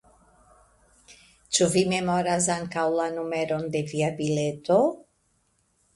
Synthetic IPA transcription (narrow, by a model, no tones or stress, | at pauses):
t͡ʃuvimemoɾazaŋkawlanumeɾond̪eviabilet̪o